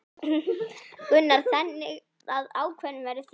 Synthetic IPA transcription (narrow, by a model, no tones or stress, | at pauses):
kʏnːaɾ̥θɛnːɪɣ | aðaːwkʰvɛnːʏmvɛɾʏθ